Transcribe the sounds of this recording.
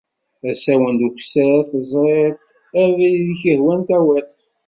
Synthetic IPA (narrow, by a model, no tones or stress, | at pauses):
æsæwənd̪ukʷsəɾθəzˤɾˤeɾt̪ | ævlðçəhwænθæwæt̪